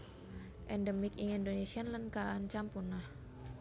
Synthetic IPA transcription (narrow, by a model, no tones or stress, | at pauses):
ʔɛndəmikiŋindonesianlənkaant͡ʃampunah